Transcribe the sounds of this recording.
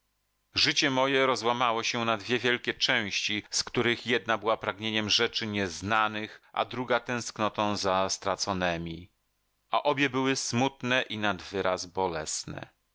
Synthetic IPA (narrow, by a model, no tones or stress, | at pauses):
ʐɘt͡ɕɛmɔjɛɾɔzwamawɔɕɛnad̪vʲjɛvʲjɛlkʲɛt͡ʂɛ̃w̃ɕt͡ɕiskt̪uɾɘxjɛd̪nabɘwapɾaɡɲeɲɛmʐɛt͡ʂɘɲɛznanɘxʔa̰d̪ɾuɡat̪ɛ̃w̃sknɔt̪ɔ̃w̃zast̪ɾat̪sɔnɛmʲi | a̰ʔɔbʲjɛbɘwɘsmut̪nɛʔinad̪vɘɾʔazbɔlɛsnɛ̰